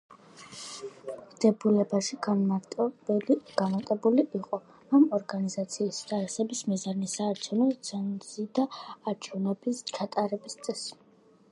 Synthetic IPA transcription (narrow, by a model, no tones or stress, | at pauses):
md̪ɛbulɛbaʃiɡanmaɾt̪ʼbɛliɡ̥anmaɾt̪ʼɛbuliʔiqʼɔ | amɔɾɡanizat̪sʰiːst̪ʼaɾɛsɛbismizanisaːɾt͡ʃʰɛvnɔt̪sʰɛnzid̪aːɾt͡ʃʰɛvnɛbist͡ʃʰat̪ʼaɾɛbist̪sʼɛs